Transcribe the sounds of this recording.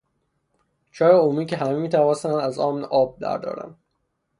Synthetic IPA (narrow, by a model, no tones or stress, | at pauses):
t͡ʃʰɒːjeomiːkcʰeɦæmemiːt̪ʰævɒːnsænæzɒːmnʔɒːb̚d̪æ̰ɾd̪ɒ̰ːɾæ̰n